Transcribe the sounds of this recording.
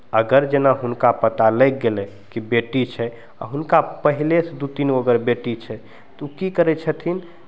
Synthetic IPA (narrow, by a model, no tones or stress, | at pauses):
əɡəɾd͡ʒenaɦunkapət̪alɛk̚ɡelɛ | kibeʈit͡ʃʰɛ | ɔ̰ɦunkapəɦilesd̪ut̪inuəɡəɾbeʈit͡ʃʰɛ | t̪ukikəɾɛt͡ʃʰət̪ʰin